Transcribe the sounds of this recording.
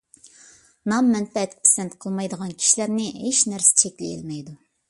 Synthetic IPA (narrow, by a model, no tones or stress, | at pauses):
nɑmːɛnpɛt̪kʲpʰe̥sɛnt̪qʰəlˠmɑjd̪əʁɑnkʲʰi̥ʃilæɾnɪɦeʃnæɾsɪ̥t͡ʃʰɛkʲlɪjḭlmɛjd̪u